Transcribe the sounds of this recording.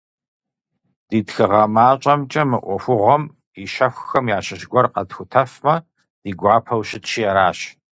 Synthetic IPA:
d̥iːdxɨʁɐmaːt͡ʃʼɐmt͡ʃʼɐmɨʔʷɔfʷʊʁʷɔm | iʃɐxʷxɐmjaːɕɪɕɡʷɔrqɐdxʷʊtʰɐfmɐ | d̥iːɡʷɑːpʰɐwɕɪtʃijɛɾaːɕ

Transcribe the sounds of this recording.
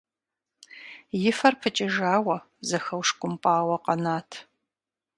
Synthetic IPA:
jɪfɐrpʰɨt͡ʃʼɪʒaːwɐ | zɐxɐwʂkʷʼʊmpʼaːwɐqɐnaːtʰ

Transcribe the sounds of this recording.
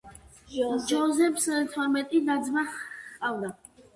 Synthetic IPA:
d͡ʒɔzɛpʰst̪ʰɔɾmɛt̪ʼid̪ad̪zmaqʼavd̪a

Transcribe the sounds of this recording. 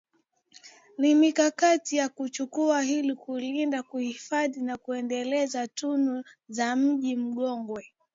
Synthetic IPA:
nimikakatijakut͡ʃukuaɦilikulindakuhifaðinakuɛndɛlɛzatunu | zam̩ʄim̩ɠɔŋɡwɛ

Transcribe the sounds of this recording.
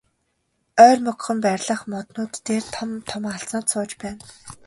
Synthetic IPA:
œːrmɵkχɘ̆mpæɾʲɮə̆χmɔt̪nʊːt̪ːeːrt̪ʰmt̪ʰɔmaɬt͡sɔ̆ːt̪sʊːt͡ɕpæːn

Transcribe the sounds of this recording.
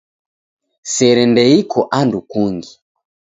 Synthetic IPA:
sɛɾɛndɛikʰɔʔandukuŋɡi

